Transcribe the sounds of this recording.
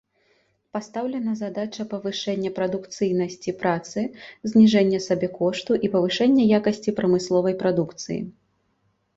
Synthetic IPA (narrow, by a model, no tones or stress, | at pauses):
past̪awlʲɛnɐzad̪at͡ʂɐpɐvɨʂɛnʲːɐpɾɐd̪ukt̪sɨjnɐsʲt͡sʲipɾat̪sɨzʲnʲiʐɛnʲːɐsabʲɛkɔʂt̪uʔipɐvɨʂɛnʲːɐjakɐsʲt͡sʲipɾɐmɨslˠɔvɐjpɾad̪ukt̪sɨ̰jḭ